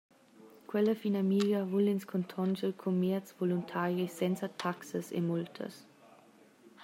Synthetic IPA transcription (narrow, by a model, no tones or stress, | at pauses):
kʰwɛləfinamiːljɐvulɪnskʰɔntʰɔnʒəlkʰomɛɐt͡svoluntʰaːɾjisɛnsɐtʰaksəsḛmultʰə̰s